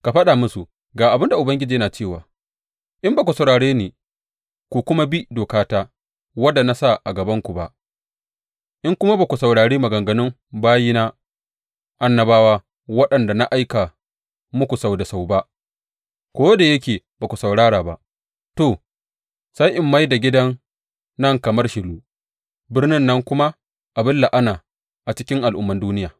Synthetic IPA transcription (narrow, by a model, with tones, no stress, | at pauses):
ka˨ɸɐ˦ɗa˨mʊ˦su˨ | ɡaː˨ʔa˨bɪ˦nda˨ʔʊ˨bɐ˦ŋɡʲɪ˦d͡ʒiː˨jɐ˦naː˨t͡ʃeː˦˨wa̰ː˨ | ʔɪ˦mbaː˨ku˨sa˨wɽaː˨ɽeː˦neː˨ | kʷu˨kʷʊ˦ma˦bi˦doː˨kaː˦taː˦ | wɐ˦da˨na˦sa˦˨ʔa˨ɡɐ˨bɐ˦ŋkʷu˨ba˦ʔ | ʔɪ˦ŋkʷʊ˦ma˦baː˨kʷu˨sa˨wɽaː˨ɽeː˦ma˨ɡɐ˨ŋɡɐ˦nʊ˦m | baː˦ji˦naː˦ | ʔa˨nːɐ˦baː˦waː˦ | wɐ˦ɗɐ˨nda˨na˦ʔa˦jka˨ | mʊ˦kʷu˨sa˨wda˨sa˨wba˦ʔ | kʷoː˦da˨jɐ˦k̬ʲeː˨baː˨ku˨sa˨wɽaː˦ɽaː˨ba̰˦ʔ | toː˨ | sa˦jʔɪ˨mːa˦jda˨ɡʲɪ˦dɐ˦nː | ɐ˦ŋkɐ˨mɐ˦rʃɪ˨luː˦ | bɪ˦rnɪ˦nːɐ˦ŋkʷʊ˦ma˦ | ʔa˨bɪ˦nla˨ʔa˦naː˨ | ʔa˨t͡ʃɪ˦kʲɪ˦ŋʔa˨lʔʊ̰˦mːɐ˦nduː˦nɪ˦jaː˨